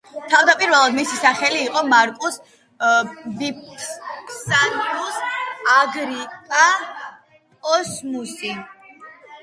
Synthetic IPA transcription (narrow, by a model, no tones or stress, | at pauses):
t̪ʰavd̪apʼiɾvɛlˠad̪misisaχɛliːqʼɔmaɾkʼus | bip̚ | sanɡusaɡɾikʼa | pʼɔsmusi